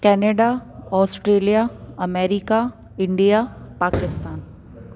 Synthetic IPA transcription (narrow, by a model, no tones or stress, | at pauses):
kɛːneɖaɔːsʈɾeːlijaɐmeːɾika | ɪɳɖijapaːkɪst̪aːn